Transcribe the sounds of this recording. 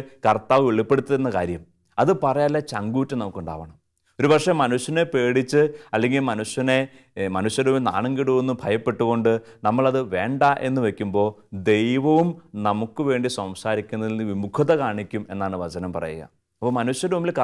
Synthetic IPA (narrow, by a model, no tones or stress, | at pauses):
kɐrt̪aːʋʋeɭipːe̞ɽut̪ːiðenːɐka̰ːɾjɐm | ɐðɨpɐrɐjaːlːɐt͡ɕɐŋɡuːtːɐnɐmukːuɳɖa̰ːʋɐɳɐm | o̞ɾubɐkʂemɐnuɕjɐne̞pe̞ːɽit͡ɕːɨɐlːe̞ŋɡilmɐnuɕjɐne̞ | mɐnuɕjɐɾuːmilna̰ːɳeŋɡiɽuʋunːɨbʱɐjɐpːe̞ʈːuɣo̞ɳɖɨnɐmːɐɭɐðɨʋe̞ːɳɖaʔe̞̰nːɨʋekʲːumbo̞ːd̪e̞jʋɐʋumnɐmukːɨʋe̞ːɳɖisɐmsaːɾikʲːunːɐðilnːɨʋimukʰɐðɐkaːɳikʲːume̞̰nːaːɳɨʋɐt͡ɕɐnɐmpɐrɐ̰jṵɣɐ̰ | ɐpːoːmɐnuɕjɐɾuːmilk